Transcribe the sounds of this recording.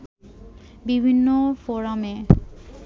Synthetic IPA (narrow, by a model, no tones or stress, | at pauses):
bibʱinːofoɾame